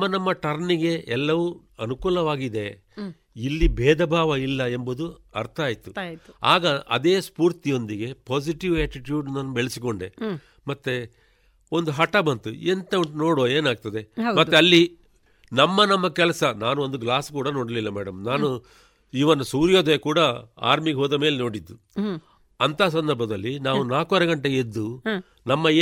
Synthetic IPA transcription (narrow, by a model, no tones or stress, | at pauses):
mːɐnɐmːɐʈɐɾniɡe̞ɛlːɐʋu | ɐnukuːlɐʋaːɡid̪e̞ | ilːibʱɛːd̪ɐbʱaːʋɐilːɐembud̪uɐ̰ɾt̪ʰɐaːjt̪ua̰ːɡɐʔɐ̰d̪eːspuːɾt̪ijo̞nd̪iɡe̞poːsiʈiʋɛːʈiʈjuːɖnaːnubeɭisiko̞ɳɖe | mɐt̪ːe | o̞nd̪uɦɐʈɐbɐnt̪uent̪ɐnoːɽoːeːnaːɡ̚t̪ɐd̪e̞mɐt̪ːeɐlːi | nɐmːɐnɐmːɐkɛlɐsɐnaːnuo̞nd̪uɡlaːskuːɽɐnoːɽɐlilːɐmɛːɽɐmnaːnu | iʋɐnːusuːɾjoːd̪ɐjkuːɽɐa̰ːɾmiɡeɦoːd̪ɐme̞ːleno̞ːɽid̪ːu | ɐnt̪ʰas̬ɐnd̪ɐɾbʱɐd̪ɐlːinaːʋunaːkɐɾɐɡɐɳʈeɡed̪ːu | nɐmːɐeː